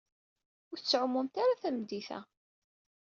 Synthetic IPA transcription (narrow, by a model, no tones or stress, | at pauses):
ʊɾθət͡sʕʊmːumt̪aɾaθæmd̪iθæ̰